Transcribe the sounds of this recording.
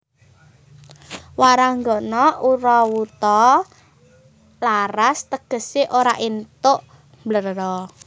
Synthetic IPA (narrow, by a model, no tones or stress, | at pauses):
waɾaŋɡɔnɔuɾɔwut̪ɔ | laɾast̪əɡ̥ə̤siʔoɾaʔint̪ʊʔ | mblərɾɔ